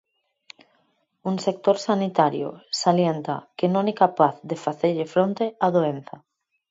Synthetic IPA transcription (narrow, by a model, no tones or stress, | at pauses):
uŋsek̚t̪oɾsanit̪aɾjo̰saljent̪a̰kenõŋɛkapaθðefaθeʎɪfɾõnt̪eaðoen̟θa